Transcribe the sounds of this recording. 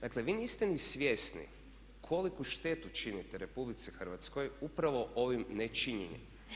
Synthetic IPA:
d̪akle̞ʋiːniːst̪enisʋje̞snḭ | kʰo̞likuʃt̪e̞t̪ut͡ʃinit̪eɾepublit̪sixrɾʋat̪sko̞jupɾaʋo̞ʔo̞ʋimnet͡ʃiɲeɲḭ

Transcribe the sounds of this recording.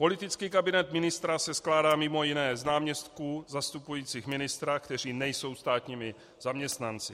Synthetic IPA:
po̞lɪt̪ɪt͡skiːkabɪnɛt̪mɪnɪst̪ɾasɛsklaːdaːmɪmo̞jɪnɛːznaːmɲɛst̪kuːzast̪upujiːt͡siːxmɪnɪst̪ɾakt̪ɛr̝iːnɛjso̞wst̪aːt̪ɲiːmɪ | zamɲɛst̪nant͡sɪ

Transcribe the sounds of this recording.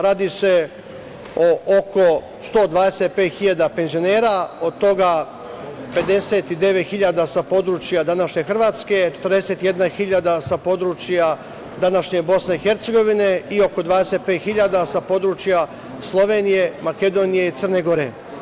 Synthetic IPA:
ɾaːd̪ise̞ | oʔoko̞ | st̪o̞ːd̪ʋaːd̪eset̪̚peːt̪xiʎad̪ape̞nzio̞neːɾao̞d̪̚t̪o̞ɡa | pe̞d̪e̞set̪id̪e̞ʋet̪xiʎad̪asapo̞d̪ɾuːt͡ʃjad̪anaʃɲe̞xr̩ʋaːt̪ske̞t͡ʃet̪rd̪e̞se̞t̪je̞d̪naxiʎad̪asapo̞d̪ɾuːt͡ʃja | d̪anaʃɲe̞bo̞sne̞ixe̞ɾt̪se̞ɡo̞ʋineio̞ko̞d̪ʋaːd̪eset̪̚peːt̪xiʎad̪asapo̞d̪ɾuːt͡ʃja | slˠo̞ʋeːnije̞make̞d̪o̞ːnije̞it̪sərneɡo̞ɾḛ

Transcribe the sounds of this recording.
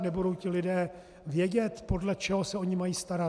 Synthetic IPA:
nɛbudo̞wcɪlɪdɛː | vjɛɟɛt̪po̞dlɛt͡ʃɛɦo̞sɛo̞ɲɪmajiːst̪aɾa

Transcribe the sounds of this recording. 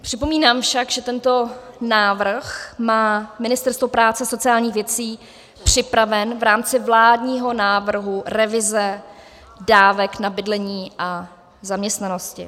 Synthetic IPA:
pr̥ɪpo̞miːnaːmfʃakʒɛt̪ɛnt̪o̞naːvr̩xmaːmɪnɪst̪ɛɾst̪vo̞pɾaːt͡sɛso̞t͡sɪaːlɲiːxvjɛt͡siː | pr̝̥ɪpɾavɛnvɾaːmt͡sɪvlaːdɲiːɦo̞naːvr̩ɦuɾɛvɪzɛ | daːvɛknabɪdlɛɲiːʔa | zamɲɛst̪nano̞scɪ̰

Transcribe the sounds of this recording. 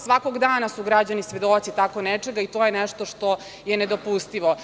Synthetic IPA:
sʋakoɡd̪aːnasuɡɾad͡ʑanisʋe̞d̪ot̪sit̪akonɛt͡ʂeɡait̪ojenɛʃt̪oʂt̪o | jened̪o̞pust̪iʋo

